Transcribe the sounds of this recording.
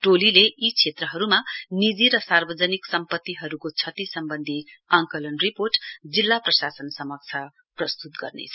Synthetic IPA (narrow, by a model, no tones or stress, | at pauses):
ʈolileʔit͡sʰet̪rʌɦʌɾumanid͡ziɾʌsarbʌd͡zʌniksʌmpʌt̪ːiɦʌɾukot͡sʰʌt̪isʌmbʌnd̪ʱi | ãŋkʌlʌnriporʈd͡zilːaprʌsasʌnsʌmʌk̚t͡sʰʌ | prʌst̪ut̪̚ɡʌ̰rnḛt͡sʰʌ